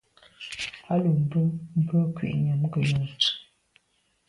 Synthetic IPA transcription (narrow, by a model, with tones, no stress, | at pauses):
a˦lə˨m̩˦bə˦m̩˦bə˦kwḭ˨ʔɲə˨m˦ɡə˨ɲə˨˦